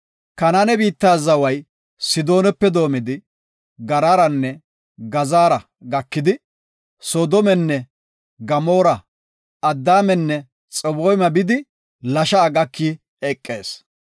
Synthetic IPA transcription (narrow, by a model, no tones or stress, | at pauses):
kɐnanɛbiːt̪ːaːzɐwɐj | sɪd̪o̞ːnɛpːɛd̪o̞ːmɪd̪ɪ | ɡɐɾaːɾɐnːɛ | ɡɐzaːɾɐ | ɡɐkːɪd̪ɪ | soːd̪ɔmɛnːɛ | ɡɐmo̞ːɾɐ | ɐd̪ːaːmɛnːɛ | t͡sʼɔboːjmɐbɪd̪ɪ | lɐʃɐːɡɐkʰːi | ɛkʼːe̞ːs